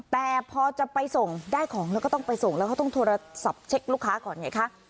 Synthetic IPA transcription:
t̪ɛː˨˩pʰɔː˧t͡ɕa˨˩pa˧jso˨˩ŋdaː˥˩jkʰɔː˩˦ŋlɛː˧˥kʰɔ˥˩t̪ɔ˥˩ŋpa˧jso˨˩ŋlɛ˧˦wkʰa˥˩t̪ɔ˥˩t̪ʰoː˧ɾa˧sa˨˩p̚t͡ɕʰe˦˥k̚luː˥˩kʰːaː˦˥kɔː˨˩˦nɲa˨˩jkʰa˦˥ʔ

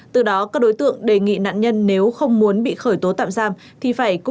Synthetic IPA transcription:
t̪ɨ˨˩ɗɔ˨˦kaː˦˥k̚ɗo˨˦jt̪ɨ̰˧˨əŋɗe˨˩ŋḭ˧˨na̰ː˧˨nɲə˧nːe˨˦wxə˧wŋ͡mmu˨˦ənɓḭ˧˨xəː˧˩jt̪o˨˦t̪a̰ː˧˨mzaː˧˩m | t̪ʰi˨˩faː˧˩jkʊ˧˥

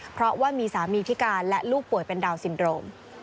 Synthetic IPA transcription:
pʰɾɔ˦˥waː˥˩miː˧saː˩˦miː˧pʰi˦˥kaː˧nlɛ˦˥ʔluː˥˩k̚pu˨˩əjpe˧ndaː˧wsi˩˦ndɾoː˧m

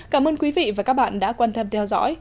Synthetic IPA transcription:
kaː˨˩mʔəː˧nkwi˨˦vḭ˧˨vaː˨˩kaː˦˥k̚ɓa̰ː˧˨nɗa̰ː˧˥kwaː˧nt̪ə˧mt̪ʰɛ˧wzɔ̰˧˥j

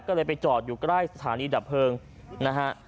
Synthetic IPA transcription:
kɔː˥˩lɤː˧jpa˧jt͡ɕɔː˨˩t̪̚juː˨˩kɾaː˥˩jsa˧t̪ʰaː˩˦niː˧daː˨˩p̚ʰːɤː˧ŋ | na˦˥kʰa˦˥ʔ

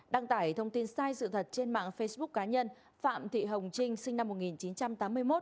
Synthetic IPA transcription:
ɗa˧˩ŋt̪aː˧˩jt̪ʰə˧wŋ͡mt̪i˧nsaː˧jsɨ̰˧˨t̪ʰə˨˩t̚t͡ɕe˧nma̰ː˧˨ŋfə˧jsɓʊ˦˥k̚kːaː˨˦ɲə˧n | fa̰ː˧˨mt̪ʰḭ˧˨ɦə˨˩wŋ͡mt͡ɕï˧ŋ̟sï˧ŋ̟na˧mːo˨˩t̚ŋi˨˩nt͡ɕi˨˦nt͡ɕa˧mt̪aː˨˦mːɨ˧əjmo˦˥t̚

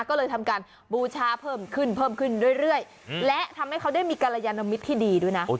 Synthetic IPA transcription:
kɔː˥˩lɤː˧jt̪ʰa˧mkaː˧n | buː˧t͡ɕʰaː˦˥pʰɤː˥˩mkʰɯ˥˩npʰɤː˥˩mkʰɯ˥˩ndu˥˩əjɾɯ˥˩əj | lɛ˦˥t̪ʰa˧mha˥˩jkʰa˦˥wda˥˩jmiː˧ka˧la˧jaː˧nːa˧mi˦˥t̪ʰːiː˥˩diː˧du˥˩əjna˦˥ʔ

